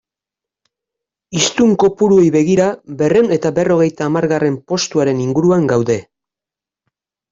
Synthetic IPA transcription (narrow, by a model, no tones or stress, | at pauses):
ist̪uŋko̞puɾue̞jβe̞ɣ̞iɾabe̞re̞wne̞t̪abe̞ro̞ɣ̞e̞jt̪aːmaɾɣare̞mpo̞st̪uaɾe̞niŋɡuɾuaŋɡawðe̞